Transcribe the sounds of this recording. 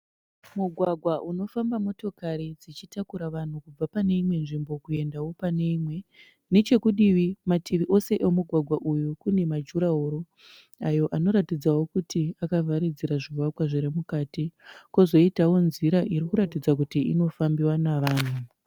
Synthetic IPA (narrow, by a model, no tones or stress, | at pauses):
muɡʱwaɡʱwaʔuno̞fambamo̞to̞kaɾid͡zit͡ʃitakuɾaʋan̤ukub͡vapane̞imwe̞nʐimbo̞kue̞ndawo̞pane̞imwe̞ | ne̞t͡ʃe̞kuɗiʋimatʰiʋiʔo̞se̞ʔemuɡʱwaɡʱwaʔujukune̞mad͡ʒuɾaɦoɾo̞ | ajo̞ʔano̞ɾatid͡zawo̞kutiakavʱaɾid͡ziɾaʐiwakwaʐiɾemukatikozo̞itawo̞nziɾaʔiɾikuɾatid͡zak̬utiḭno̞fambiwanaʋaːn̤u